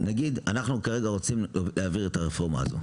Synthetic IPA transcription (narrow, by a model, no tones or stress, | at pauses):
naɡid̪anaχnukaʁe̞ɡaʁo̞t͡simleaviʁetaʁefo̞ʁma̰ːzo̰